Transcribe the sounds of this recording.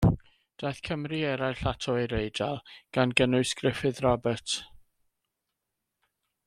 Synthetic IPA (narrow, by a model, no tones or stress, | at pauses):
d̥ajθkʰəmriɛɾajɬatʰɔiɾejdalˠɡ̥anɡənʊɨskrɪfɨðrabət